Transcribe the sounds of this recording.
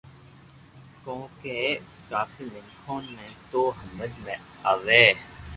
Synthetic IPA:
kõːkeː | kaːfiːlɪ̃ŋkʰoːnmẽt̪oːɦəmbəd͡ʒmẽ | aːʋeː

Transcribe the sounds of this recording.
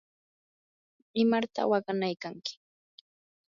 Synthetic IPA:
ɪmaɾt̪a̰wɑɢanajkaŋkɪ̥

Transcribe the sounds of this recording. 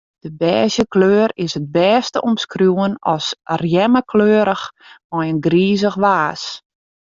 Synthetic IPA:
d̥əbɛːzjəkløːɾɪsəd̚bɛːstəʔɔmskrjuənɔsrjɛməkʰløːɾəxmɔjənɡriːzəxʋaːs

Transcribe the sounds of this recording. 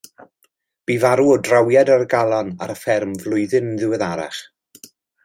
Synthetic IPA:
b̥ivaɾuɔdrawjadarɡalˠɔna̰ɾəfɛrmvlˠʊɨðɨnənðɪwɛðaɾa̰χ

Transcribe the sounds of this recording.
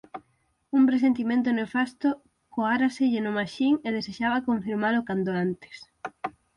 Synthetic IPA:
umpɾes̬ent̪̬imẽnt̪̬onefast̪ʊ | koaɾaseʎɪnʊmaʃiŋeðeseʃaβakoɱfiɾmalokand̪oant̪e̥s

